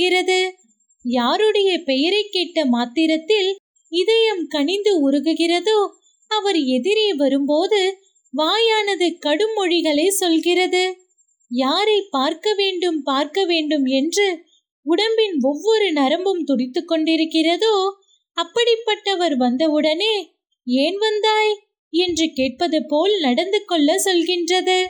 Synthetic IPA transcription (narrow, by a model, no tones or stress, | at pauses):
ɪrɐðɯ | jaːɾɯɽɐjɐpɛjɐɾɐɪkːeːʈːɐmaːt̪ːɪɾɐt̪ːɪl | ɪðɐjɐmkɐɳɪnd̪ɯʊɾɯɣɯɣɪrɐðoː | ɐʋɐɾɛðɪɾeːʋɐɾɯmpoːðɯ | ʋaːjaːnɐðɯkɐɽɯmɔɻɪɣɐɭɐɪsɔlɣɪrɐðɯ | jaːɾɐɪpːaːɾkɐʋeːɳɖɯmpaːɾkɐʋeːɳɖɯmɛndrɯ | ʊɽɐmbɪnɔʋːɔɾɯnɐɾɐmbɯmt̪ɔɽɪt̪ːɯkːɔɳɖɪɾɯkːɪrɐðoː | ɐpːɐɽɪpːɐʈːɐʋɐɾʋɐnd̪ɐɯɽɐneː | eːnʋɐnd̪aːj | ɛndrɯkeːʈ̚pɐðɐpoːlnɐɽɐnd̪ɯkːɔɭːɐsɔlɣɪndrɐðɯ